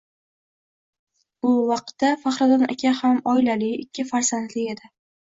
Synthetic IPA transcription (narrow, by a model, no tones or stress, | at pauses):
ʊwɑq̚t̪ːafaχɾɑd̪ɒna̰kʲʰahamɒɪlalɪɪkʲʰːɪfaɾsand̪lɪe̞d̪ɪ